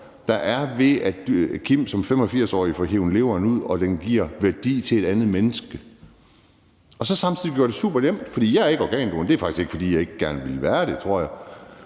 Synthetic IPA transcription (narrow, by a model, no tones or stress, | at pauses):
d̥ɑ̈ʔæɐʋe̝æ̥kʰim̰sɒ̽mfem̰ɒ̽fiɐ̰sɒ̰ːifɒɦeʊn̩le̝ʊɐnuð̰ˠɒ̽d̥enɡ̥iɐ̰ʋæɐd̥ḭːt͡sʰe̝le̝ɾ̥ænð̩ˠmenəsɡ̥ə | ɒ̽sɒ̽sɑ̈mtt͡sʰið̰ˠɡ̥joɐd̥e̝sṵːb̥ɐnem̰d̥fɒ̽d̥ḭːjɑ̈ɪæɐe̝ɡ̥ɒɡ̥ɛ̰ːnb̥ond̥e̝æɐfɑ̈ɡ̥isɡ̥e̝ɡ̥əfɒ̽d̥ḭːjɑ̈e̝ɡ̥əɡ̥æɐnʋe̝lʋæːɐd̥e̝t͡sʰʁo̝ɐ̰jɑ̈ɪ